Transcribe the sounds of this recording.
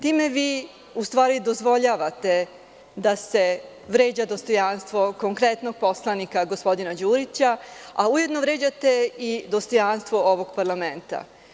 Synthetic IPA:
t̪iːme̞ʋiː | ust̪ʋaːɾid̪o̞zʋo̞ʎaːʋat̪e̞ | d̪ase | ʋɾe̞ːd͡ʑad̪o̞st̪o̞janst̪ʋo̞ko̞ŋkɾet̪no̞ɡ̚po̞slˠanikaɡospo̞d̪inad͡ʑuːɾit͡ɕaauje̞d̪no̞ʋɾe̞ːd͡ʑat̪e̞id̪o̞st̪o̞janst̪ʋo̞oʋo̞ɡ̚paɾlament̪a̰

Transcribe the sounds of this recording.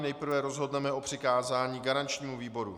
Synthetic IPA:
nɛjpr̩vɛɾo̞zɦo̞dnɛmɛʔo̞pr̝̥ɪkaːzaːɲiːɡaɾant͡ʃɲiːmuviːbo̞ɾṵ

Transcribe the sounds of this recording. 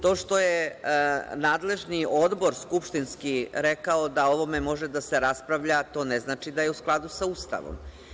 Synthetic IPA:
t̪o̞ːʂt̪o̞je | naːd̪le̞ʒnio̞d̪bo̞ɾskupʂt̪inskiɾekaod̪ao̞ʋo̞memo̞ʒed̪aseɾaspɾaʋʎat̪o̞ːneznaːt͡ʃid̪ajeusklˠad̪usaust̪a̰ʋo̰m

